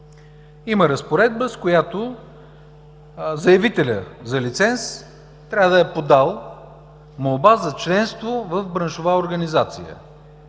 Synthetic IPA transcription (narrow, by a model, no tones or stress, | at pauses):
iməɾəspoɾɛd̪̚bəskojat̪o | zɐjɐvit̪ɛlʲə̰zɐlit̪sɛns | t̪ɾʲavəd̪ɐɛpod̪alˠ | molˠbazɐt͡ʃlɛnst̪vovəfbɾənʃʊvaoɾɡənizat̪sijə̰